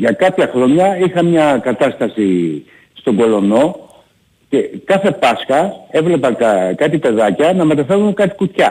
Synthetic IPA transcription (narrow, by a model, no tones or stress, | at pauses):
ʝɐkɐpçɐxɾo̞ɲɐixɐmɲɐkɐt̪ɐst̪ɐsi | st̪o̞ŋɡo̞lo̞no̞ | ce̞kɐθe̞pɐsxɐe̞vle̞pɐkɐt̪ipe̞ðɐcɐnɐme̞t̪ɐfe̞ɾunkɐt̪i̥kut̪çɐ